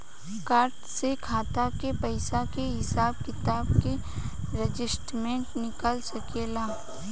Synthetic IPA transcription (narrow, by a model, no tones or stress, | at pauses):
kaːɾʈsekʰaːt̪akepəɪsakeɦɪsaːbkɪt̪aːbke | ɾed͡ʒɪsʈmẽːɳʈnɪkəlsɐkeːlaː